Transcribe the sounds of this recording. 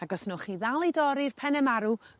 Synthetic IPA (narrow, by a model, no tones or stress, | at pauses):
aɡɔsnɔχiːðalˠidɔɾirpʰɛnɛmaɾu